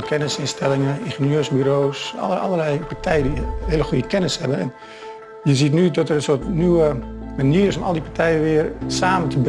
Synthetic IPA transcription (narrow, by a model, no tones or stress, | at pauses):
kʰɛnəsɪnstɛlɪŋəinxenjøːsbyɾoːsɔ̰əɔ̰lˠəlɛjpaɹtʰɛjədihɪələxujəkɛnəshɛbənɛ̰n | jəzitnydɔtərənsoətnyəmaniəɾɪsomɔ̰lˠdipaɹtʰɛjəʋɪərsaːməntʰəb